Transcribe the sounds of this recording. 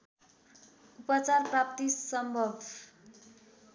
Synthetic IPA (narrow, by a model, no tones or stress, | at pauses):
upʌt͡sarprap̚t̪isʌmbʱʌbʱ